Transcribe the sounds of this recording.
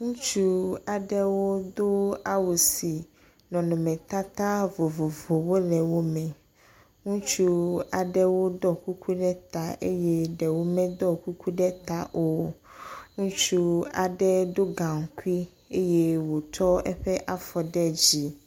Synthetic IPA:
ŋũ˦t͡ʃu˦a˨ɖɛ˦wo˦d̪o˦a˦wo˨si˨ | nɔ̃˨nɔ̃˨mɛ̃˨t̪a˦t̪a˦vo˨vo˨vo˨wo˦lɛ˨wo˦mɛ̃˨ | ŋũ˦t͡ʃu˦a˨ɖɛ˦wo˦d̪ɔ˦ku˦ku˦ɖɛ˦t̪a˨ʔḛ˦jɛ˦ɖɛ˨wo˦mɛ̃˦d̪ɔ˦ku˦kʰu˦ɖɛ˦t̪a˨ʔo˨ | ŋũ˦t͡ʃu˦a˨ɖɛ˦d̪o˦ɡã˨ŋ˨ku˦i˦ | e˦jɛ˦wo˨t̪ʰɔ˦ɛ̰˦ɸɛ˦ʔa˦fɔ˨ɖɛ˦d͡ʑi˨

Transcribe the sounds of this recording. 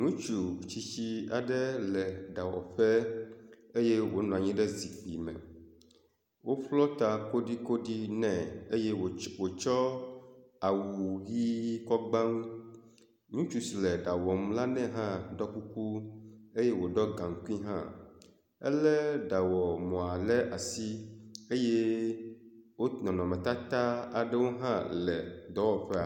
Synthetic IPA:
nũ˦t͡ʃu˨t͡ɕi˦t͡ɕi˦a˨ɖɛ˦lɛ˨ɖa˨wɔ̰˨ɸɛ˦ | e˦jɛ˦wo˦nɔ̃˨a˨ɲĩ˦ɖɛ˦zi˨k͡pi˨mɛ̰̃˨ | wo˦ɸlɔ˦t̪a˨ko˦ɖi˦ko˦ɖi˦nɛ̃˨e˦je˦˨wo˨t͡ʃɔ˦ | a˨wu˨ɣi˦kɔ˦ɡ͡ba˦ŋ | ɲũ˦t͡ʃu˦slɛ˨ɖa˨wɔ˨m˦la˦nɛ̃˦ɦã˦ɖɔ˦ku˦ku˦e˦je˦wo˨ɖɔ˦ɡã˨ŋ˨ku˦i˦ɦã̰˦ | ɛ˦lɛ˦ɖa˨wɔ˨mɔ̃˨a˨lɛ˦ʔa˨si˦e˦je˦ | wo˦nɔ̃˨nɔ̃˨mɛ̃˨t̪a˦t̪a˦a˨ɖɛ˦wo˦ɦã˦lɛ˨d̪ɔ˨˦wɔ˨ɸɛ˦a˨

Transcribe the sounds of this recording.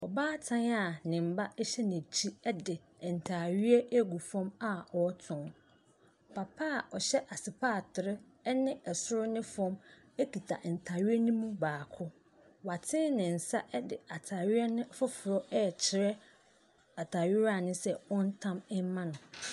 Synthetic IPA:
ɔ˨baː˦tʰã˦na˨nɪ̃˨m̩˨ba˦ʔɛ˦ɕɛ˦n˨æ̃˨t͡ɕʰi˦ɛ˦dɪ˨ | n̩˨tʰaː˨ɥɪ˦ɛ˦ʔe˦ɡu˨fɔ̃˦ma˨ɔ˨˦tʰʊ̃˨ŋ | pʰa˨pʰaː˦˨ɔ˨ɕɛ˦ʔa˨sɪ˨pʰaː˦˨tʰɪ˨ɾɪ˦ | ɛ˦nɪ̃˦ɛ˨sʊ˦ɾʊ˦nɪ̃˦fɔ̃˦m | e˦kʰi˨tʰa̰˨ʔn̩˨tʰaː˨ɥɪ˦ɛ˦nĩ˦mũ˦baː˨kʰʊ˦ | wa˨tʰɪ̃˦nɪ̃˨n̩˨sa˦ʔɛ˦dɪ˨a˨tʰaː˨ɥɪ˦ɛ˦nɪ̃˦fʊ˦fʊ˨ɾɔ˦ʔɛ˦˨t͡ɕʰɪ˨ɾɛ˦ | a˨tʰaː˨ɥɪ˦ɾa˦˨nʊ̃˦sɛ˦wɔ̃˦n̩˦tʰã˦mɪ˦mã˦nʊ̃˨

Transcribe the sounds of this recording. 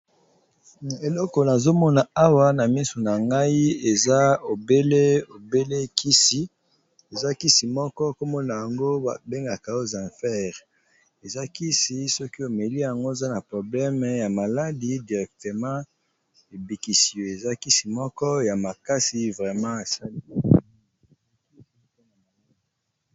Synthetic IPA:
na˨e˨lɔ˦kɔ˨na˨zo˦mɔ˦na˨a˦wa˦na˨mi˦so˨na˨ŋɡa˦i˦e˨za˦o˨be˦le˦o˨be˦le˦ki˦si˨ | e˨za˦ki˦si˨mɔ˦kɔ˦ko˦mɔ˦na˨ja˨ŋɡo˦a˨be˦ŋɡa˨ka˨o˦zã˨fɛ˦ʁ | e˨za˦ki˦si˨˦sɔ˦ki˦o˨me˨li˦ja˨ŋɡo˦e˨za˦na˨pχo˨blɛ˦m˨ja˨ma˨la˦di˦di˨ʁɛ˨k̚t̪ə˨mã˦ | e˨bi˨ki˨si˨o˨e˨za˦ki˦si˨mɔ˦kɔ˦ja˨ma˨ka˦si˨vʁɛ˨mɑ̃˦e˨sa˦li˦˨˦

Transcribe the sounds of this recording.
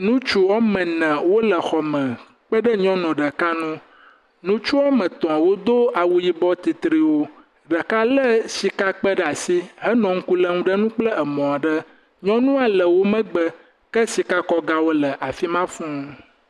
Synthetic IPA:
nũ˦t͡ʃu˦wɔ˦mə̃˨nɛ̃˨wo˦lə˨xɔ˨mə̃˨ | k͡pə˦ɖə˦ɲɔ̃˦nɔ̃˨ɖə˨ka˦nũ˦ | nũ˦t͡ʃu˦wɔ˦mə̃˨t̪ɔ̃˨wo˦d̪o˦a˨wu˦ji˦bɔ˦t̪i˨t̪ɾi˨wo˦ | ɖə˨ka˦lə˦si˦ka˦k͡pə˦ɖa˨si˦ɦə˦nɔ̃˨ŋ̩˦ku˦lə˦ŋũ˦ɖə˦nũ˦k͡plə˦ə˨mɔ̃˨a˨ɖə˦ | ɲɔ̃˦nũ˦a˨lə˨wo˦mə̃˦ɡ͡bə˦ | kə˦si˦ka˦kɔ˦ɡa˦wo˦lə˨ʔa˨fi˦mã˦fũ˦

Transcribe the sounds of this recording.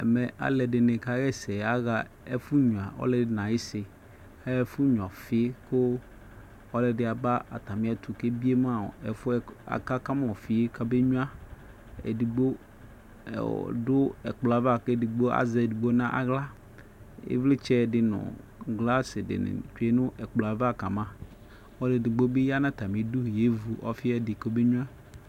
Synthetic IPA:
ɛ˨mɛ˨ʔa̰˦lɛ˨dɪ˨nɪ̃˨ka˦ɣɛ˦sɛ˨a˦ɣa˨ | e˦fu˦ɲũ˨a˨ɔ̰˦lɛ˦dɪ˦nã˨ji˦sɪ˨ | a˦ɛ˦fʊ˦ɲũ˨a˨fɪ˨e˦kʊ˦ | ɔ˦lɛ˨dɪ˦a˨ba˦a̰˨t̪a˨mɪ̃˦a˨t̪u˨ke˦bi˦e˦mã˦ɔ̰˨ɛ˨fʊ˦a̰˨ka˦ka˦m˦˨ɔ˨fi˨e˦ka˦be˦ɲũ˦a˦ | ḛ˨di˨ɡ͡bo̰˦˨ | dʊ˦ɛ̰˨k͡pla˨va˨ke˨di˨ɡ͡bo˦ʔa̰˨zɛ˨di˨ɡ͡bo˦nã˦ʔa̰˨ɣla˦ | ḛ˦vlɪ˦t͡ʃɛ˦dɪ˨nʊ̰̃˨ | ɡla˦sɪ˨dɪ̰˨nɪ̰˨t͡ʃu˨˦e˦nʊ̃˦ʔɛ˨k͡plo˨a˨va˦˨ka˨mã˦ | ɔ˦lɪ˨dɪ˨ɡ͡bo˦be˦ja˦nã˦t̪a˨mĩ˨du˦˨je˦vu˨ʔɔ̰˦fɪ˦ɛ˦dɪ˨ko˦be˦ɲũ˦a˦

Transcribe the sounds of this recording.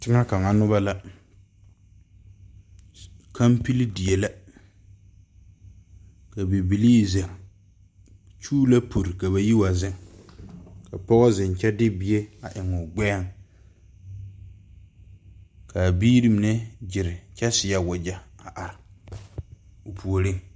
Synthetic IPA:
tɪ˦ŋa˦ka˨ŋa˨nʊ˦βa˦la˦ | kʰa˦mpi˦li˦di˨e˨la˦ | ka˨bi˨bi˨liː˦˨ze˨ŋ | t͡ʃuː˦la˦pʰo˨ɾɪ˨ka˨βa˨ji˦wa˨zɪ˦ŋ | ka˨pɔ˦ɣɔ˦zɪ˨n˨t͡ʃɛ˦dɪ˦bi˨e˦a˨ʔɪ˨ŋʊ˨ɡ͡bɛː˦ŋ | ka˨biː˦ɾi˦m˨nɛ˦d͡ʒɪ˨ɾɪ˨t͡ʃɛ˦sɪ˨ja˦wʊ˨d͡ʒa˦a˨ʔa˨ɾɪ˨ | ʊ˨pʰu˨o˨ɾi˦˨

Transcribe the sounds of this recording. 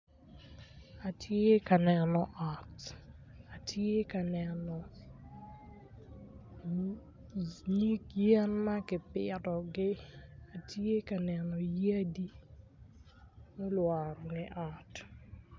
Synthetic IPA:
a˨tʰje˦ka˨nɛ˨nɔ˨ʔa˨t | a˨tʰje˦ka˨nɛ˨nɔ˨ | ni˦kjɛ˦nma˦kɪ˨pɪ˨ɾɔ˨ɡɪ˦a˨tje˦ka˨nɛ˨nɔ˨je˦di˦ | mo˦lwa˨ɾɔ˨ŋɛ˦ʔa˨t

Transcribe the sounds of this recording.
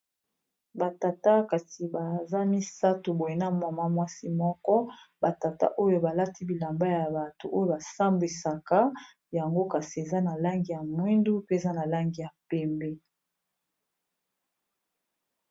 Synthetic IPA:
ba˨ta˨ta˦ka˨ti˨ba˨za˦mi˦sa˦to˨bo˨je˦na˦ma˨ma˦mwa˦si˦mɔ˦kɔ˦ba˨ta˨ta̰˦ʔo˦jo˦ba˨la˦ti˦bi˨la˨mba˦ja˨ba˨to˨ʔo˦jo˦ba˨sa˦mbi˨sa˨ka˦ | ja˨ŋɡo˦ka˨si˨e˨za˦na˨la˦ŋɡi˨ja˨mwi˦ndu˦pe˦˨za˦na˨la˦ŋɡi˨ja˨pɛ˦mbɛ˦

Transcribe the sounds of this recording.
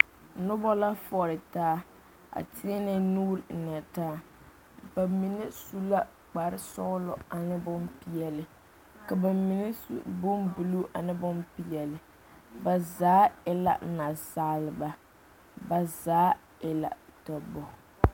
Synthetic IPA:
nʊ˦bɔ˦la˦fɔ˦ɾɪ˨taː˦ | a̰˨tɪ˦ɛ˦nɛ˦nuː˦ɾɪ˨n̩˨na˨taː˦ | b̥a˨mi˨nɛ˦su˦la˦ | k͡pa˨ɾɪ˦sɔ˦lɔ˨a˨nɪ˦bʊ˦mpi˦ɛ˦lɪ˨ | ka˨ba˨mi˨nɛ˦sṵ˦˨bʊ˦mbu˨lu˦ʔa˨nɪ˦bʊ˦mpi˨jɛ˨lɪ˨ | ba˨zaː˦ɪ˦la̰˨˦na˨saː˦lɪ˨ba˨˦ | ba˨zaː˨˦ | ɪ˦la̰˨tɔ˨bɔ˨

